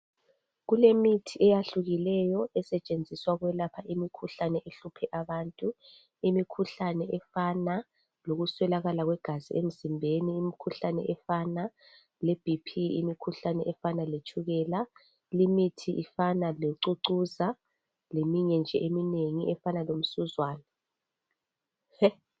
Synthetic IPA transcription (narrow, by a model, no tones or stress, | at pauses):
ɣulemitʰiʔɛjaɬuɣilɛjɔɛsɛt͡ʃʼend͡zʱiswaɣwɛlapʰaimikʰuɬanɛʔeɬupʰɛʔaβaːntʼu | imikʰuɬanɛʔɛfana | loɣuswɛlaɣalaɣwɛɡ̥ʱaziem̩zimbʱeniːmikʰuɬanɛ̰ʔɛfana | lɛb̥ʱipʰiimikʰuɬanɛʔɛfanalet͡ʃʼʰuɣɛːla | limitʰiʔifanaleǀuǀuza | lemiɲɛnd͡ʒʱɛʔemineŋiʔɛfanalom̩suzwaːna